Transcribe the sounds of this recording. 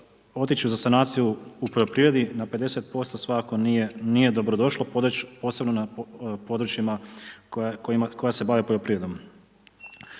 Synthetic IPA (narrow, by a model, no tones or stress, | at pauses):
o̞t̪it͡ʃuzasanaːt̪sijuupo̞ʎopɾiːʋɾe̞d̪inape̞d̪e̞se̞t̪̚po̞st̪osʋakko̞nije̞d̪obɾod̪o̞ʃlˠopo̞ːse̞bnonapo̞d̪ɾut͡ʃima | koako̞jase̞baʋepoʎo̞pɾiːʋɾed̪om